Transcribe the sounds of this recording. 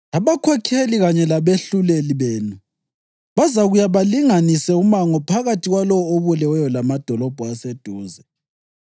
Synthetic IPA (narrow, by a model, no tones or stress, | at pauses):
aβakʰɔkʰeliɣaɲɛlaβeɬuleliβeːnu | βazaɣujaβaliŋanisɛumaŋɔpʰaɣatʰʼiɣwalɔwɔoβulɛwɛjɔlamad̥ʱɔlɔb̥ʱɔased̥ʱuːzɛ